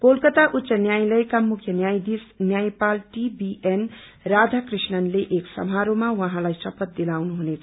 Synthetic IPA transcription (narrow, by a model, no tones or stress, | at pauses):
kolkʌt̪aʔut̪ːsʌnjajlʌjkamukʰjʌnjajd̪isnjajpalʈibiʔen | rad͡z̪ʱakrisnʌnleʔeksʌ̰mɦaɾomawʌɦãlajsʌpʌt̪̚d̪ilawnuɦunet͡sʰ